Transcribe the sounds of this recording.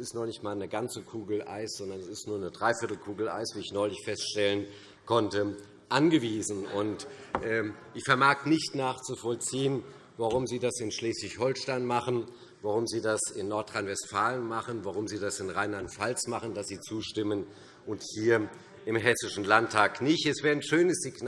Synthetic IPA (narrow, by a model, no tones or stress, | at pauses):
sɪstnɔχnɪçtmaːlnəɡant͡səkʰuːɡl̩ʔa̰ɪsz̥ɔndɐnɛsɪstnuːɐnədʁaɪfɪɐtl̩kʰuːɡl̩ʔa̰ɪsv̥iːɪçnɔʏlɪçfɛstʃtɛlən | kʰɔntə | ʔanɡəviːzn̩ʊntʔɛːʔɪçfɛɐmaːknɪçtnaːχt͡sufɔlt͡siːən | vaʁʊmziːdasɪnʃleːsv̥ɪçhɔlʃtaɪnmaχən | vaʁʊmziːdasɪnːɔɐtʁ̥aɪnvɛstfaːlənmaχənvaʁ̞ʊmziːdasɪnʁaɪnlantfalt͡smaχən̩dasz̥iːt͡suːʃtɪmən | ʔʊnthiːɐ | ʔɪmɦɛsɪʃn̩lantʰːaːknɪçtɛsv̥ɛːɐnʃøːnəsz̥iɡn